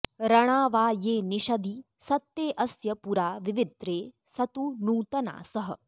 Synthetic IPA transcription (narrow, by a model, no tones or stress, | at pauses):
ɾɐɽ̃aːʋaːjeːniʃɐd̪i | sɐt̪ːeːʔɐsjɐpuɾaːʋiʋid̪ɾeː | sɐt̪unuːt̪ɐna̰ːsɐɦɐ̰